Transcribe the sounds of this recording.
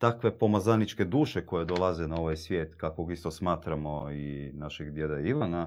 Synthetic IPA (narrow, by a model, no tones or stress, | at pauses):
t̪akʋe̞po̞mazanit͡ʃke̞d̪uːʃeko̞je̞d̪olˠazenao̞ʋajsʋʲje̞ːt̪kakoɡist̪osmaːt̪ɾamo̞inaʃeɡd̪je̞d̪aiʋana